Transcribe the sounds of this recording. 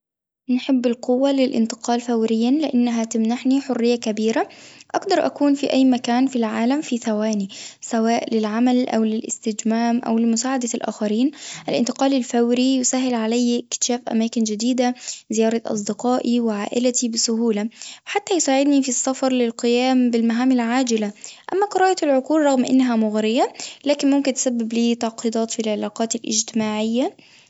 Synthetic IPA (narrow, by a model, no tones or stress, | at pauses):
nħɪbːɪlqʊwːalɪlʔɪ̰nt̪ɪ̥qɑːlfawɾɪjːanlɪʔanːaɦat̪amnaħniħʊrːɪjːakabiːɾaʔaɡd̪ɑɾˤʔa̰kuːnfiʔajːmakaːnfilʕaːlamfiθawaːnisawaːʔlɪlʕamalʔa̰wlɪlʔɪ̰st̪ɪd͡ʒmaːmʔa̰wlɪmʊsaːʕad̪alʔa̰ːxaɾiːnʔalʔɪ̰nt̪ɪqɑːlɪlfawɾijʊsaːɦːɪlʕalajːkt̪ʃaːfʔa̰maːkɪnd͡ʒɪd̪iːd̪azɪjɑːɾˤɑʔɑ̰s̬ˤd̪ɪqɑːʔiwɪʕaːʔɪlat̪ibɪsʊɦuːlawħat̪ːæjsaːʕɪd̪nifisːɑfɑɾˤlɪlqɨjæːmbɪlmaɦaːmɪlʕaːd͡ʒɪlaʔæ̰mːækɑɾˤɑːʔjɑt̪ɪlʕoquːlˤɾˤɑɣmʔɪ̰nːɦæmʊɣɾɪjalæːkɪnmʊmkɪnt̪sæbːɪbliːt̪ɑʕqid̪ˤɑːt̪filʕelɑːqɑːt̪ɪlʔɪ̰d͡ʒt̪ɪmaːʕɪjːa